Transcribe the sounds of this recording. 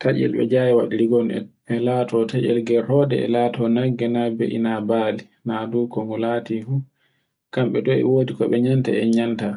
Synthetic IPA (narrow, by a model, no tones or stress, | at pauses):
taʔɛ̰lɓɛ̰d͡ʒajɛwa̰ɗiɾiɡɔnɛ̰pɛlatɔtʰaʔɛ̰lɡɛhɔdɛ̰ɛ̰laːtɔnaɡːɛnabḛʔinabaːli | nadukɔmɔlatifu | kamɓɛɗɔɛ̰woːdikɔɓɛɲanta̰ɛɲanta